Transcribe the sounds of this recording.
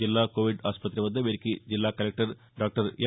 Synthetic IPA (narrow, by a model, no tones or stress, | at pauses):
ilːaːkoːʋiɖaːspɐt̪ːɾɐʋɐnd̪ːɐʋeɾikːid͡ʑilːaːkɐlɐk̚ʈɐɾ | ɖaːk̚ʈɐɾje